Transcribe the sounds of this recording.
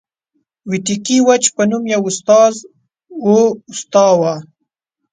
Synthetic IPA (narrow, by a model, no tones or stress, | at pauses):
wiʈikiwat͡ʃpənumjawʊst̪ɑz | oʊst̪ɑwa